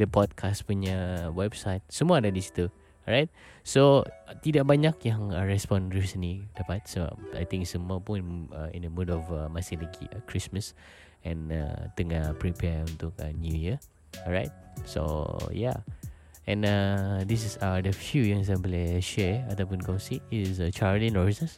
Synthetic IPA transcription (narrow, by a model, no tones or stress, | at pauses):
dəpɔd̚kʰaspuɲəwɛbsajt̪̚səmuəadadisi̥t̪əl | ɹajt̪̚sot̪idaʔ̚baɲakjãŋəɹɛspɔ̃nɹisənlidapat̪̚səba̰p̚a̰jt̪ɪ̃ŋksəmuəpunəḭ̃ndəmudɔfəmasɪhlaɡḭkʰɹisməs | ɛ̃na̰t̪əŋahpɹipɛũnt̪ʊkə̰njujə | ɔɹajt̪̚so̰ja̰ | ɛ̰̃nadis̬sadəfjujãŋs̬ãbɔlɛʃɛat̪awpũnkɔ̃nsiisət͡ʃaɹlĩnɔɹisnəs